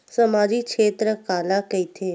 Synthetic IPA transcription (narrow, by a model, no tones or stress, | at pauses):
səmaːd͡ʒikʃeːt̪ɾəkaːlakəit̪ʰeː